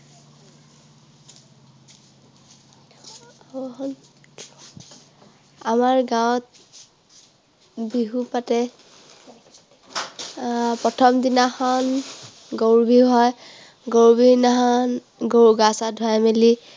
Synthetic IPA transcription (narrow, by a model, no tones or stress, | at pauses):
n | amaɹɡawt̚ | biɦupatɛ | pɹɔtʰɔmdinaxɔn | ɡoɹbʱiɦɔj | ɡoɹbʱinaɦɔn | ɡoɹɡasadʱɔjameli